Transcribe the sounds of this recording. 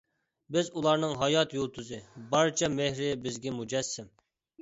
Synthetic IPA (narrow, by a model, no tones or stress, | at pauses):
bɪzulˠɑɾnɨŋɦɑjɑt̪jolˠt̪ʰuzɨbɑɾt͡ʃʰɑmehɾɪbɪzɡʲɛmud͡ʒɛsːɪm